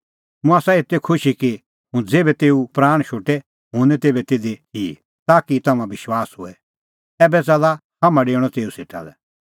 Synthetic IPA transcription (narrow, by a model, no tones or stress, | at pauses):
mũaːsaet̪ːekʰʊʃiki | ɦʊ̃d͡zeːbɛt̪eːupɾaːɽ̃ʃoːʈɛ | ɦʊ̃ːnɛ̃t̪eːbɛt̪eːd̪eɦiː | t̪aːkit̪ɐmãbɪʃwaːsɦʊ̰ɛ | ɛːbɛt͡sɐla | hɐmãɖeːɽ̃ɔt̪eːuseʈa̰lɛ̰